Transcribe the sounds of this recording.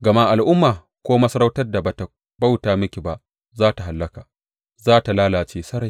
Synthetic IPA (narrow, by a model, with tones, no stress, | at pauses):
ɡɐ˨ma˦ʔa˨lʔʊ˦mːaː˨ | kʷoː˦mɐ˦sɐ˦ɾa˦wtɐ˦rda˨ba˨ta˨ | ba˦wtaː˨mɪ˦kʲi˨ba˨ʔ | zaː˦ta˨ɦa˨lːɐ˦kaː˨ | zaː˦ta˨laː˦laː˨t͡ʃeː˦sɐ˦ɾa˨j